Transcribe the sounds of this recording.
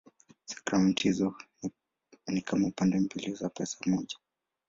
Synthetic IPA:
sɛ̥kɾanthizɔ | nikʰamaupandɛmbilizapɛsḁmɔʄa

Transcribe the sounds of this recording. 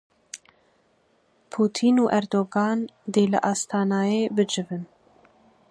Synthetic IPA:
pʰuːt̪ʰiːnuːʔɛɾd̪oːɡɑːnd̪eːlɨ̰ʔɑːst̪ʰɑːnɑːjeːbɨd͡ʒɨvɨn

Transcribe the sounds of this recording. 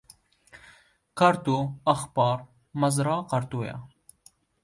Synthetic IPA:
kɐɾt̪uɐxbɑːɾ | mɐzɾɑːqɐɾt̪uːja̰

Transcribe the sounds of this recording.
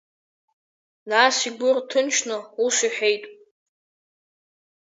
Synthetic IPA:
nasiɡʷʊrtʰɨnt͡ʃʰnɨusʷiħʷᶣejtʼ

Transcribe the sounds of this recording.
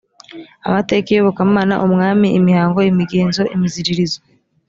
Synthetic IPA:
amate̞ːkijoβokamaːna̰ʔumŋaːmiʔimihaːŋɡo̞imiɡeːnzo̞ʔimiziɾiɾizo

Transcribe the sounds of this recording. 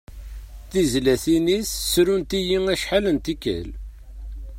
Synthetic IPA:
θizlæθinisːɾunt̪ijiŋæʃħalənt̪ikːə̰l

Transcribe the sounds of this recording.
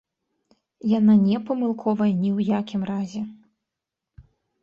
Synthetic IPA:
jananʲɛpɐmɨlˠkʰɔvɐjɐnʲiwjakʲimrazʲɛ

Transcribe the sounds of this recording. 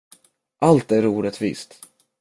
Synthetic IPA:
ʔalt̪æɾuːɾət̪vḭːst̪

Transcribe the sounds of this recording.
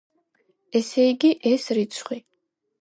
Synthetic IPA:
ɛsejɡʲiʔɛsrit͡sʰχʷi

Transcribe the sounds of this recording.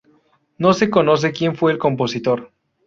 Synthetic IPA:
no̞se̞ko̞nos̬ekje̞ɱfweːlko̞mpo̞sit̪oɾ

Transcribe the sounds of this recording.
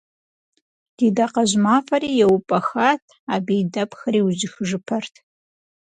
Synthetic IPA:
d̥iːdaqɐʑmaːfɐɾiːjɛwʊpʼɐxaːtʰ | aːbijdɐpʰʼxɐɾiːwʑɪxɨʒɨpʰɐrtʰ

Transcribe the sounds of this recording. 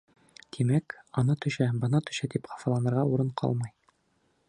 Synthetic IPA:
t̪ʰimækɒnɑt̪ɵ̆ɕæbɤ̆nɑt̪ɵ̥̆ɕæt̪ipχɑ̥fɑlˠɑnɤ̆ɾʁɑuɾɤɴqʰɑ̰lˠmɤj

